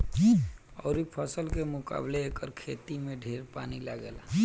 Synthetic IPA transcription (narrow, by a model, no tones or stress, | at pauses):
ə̰ʊɾipʰəsəlkemuka̰bleːkəɾkʰet̪imeɖʱeɾpanilaɡela